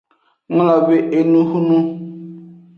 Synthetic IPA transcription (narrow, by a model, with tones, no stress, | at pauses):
ŋ˦lɔ˨be˨ʔe˨nũ˦hu˦nũ˦